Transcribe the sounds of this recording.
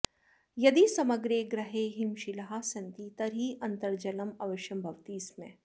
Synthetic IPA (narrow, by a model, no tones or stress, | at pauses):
jɐd̪isɐməɡɾeɡɾɐɦeɦɪmʃɪlɦasɐ̃nt̪it̪ɐɾɦiʔɐ̃nt̪ɐɾd͡ʒɐləmɐʋɐʃjɐmbʱɐʋt̪iːsmḛ̃